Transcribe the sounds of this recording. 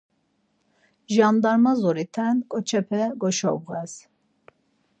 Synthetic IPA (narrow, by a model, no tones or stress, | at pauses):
ʒand̪aɾmazɔɾit̪ʰɛnkʼɔt͡ʃʰɛpʰɛɡɔʃɔ̰bɣɛs